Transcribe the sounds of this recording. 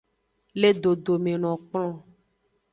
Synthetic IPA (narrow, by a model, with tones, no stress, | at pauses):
le˦ɖo˨ɖo˨mẽ˨nɔ̃˨k͡plɔ̃˦